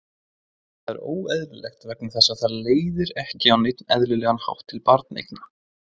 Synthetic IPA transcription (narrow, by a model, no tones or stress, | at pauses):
θθaðɛ̰ɾo̰ːwɛðlʏlḛjxt̪vɛɾknɪmθɛsːaθaɾleːjðɪɾɛhcɪawnejt̪nɛðlʏlɛːɣanha̰wht̪ʰːɪlpaɾt̪nḛjkna